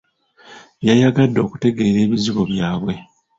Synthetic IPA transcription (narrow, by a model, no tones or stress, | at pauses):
jajaɡadːo̞ːku̥te̞ɡe̞ːɾe̞ːβiziβo̞βjaːβwe̞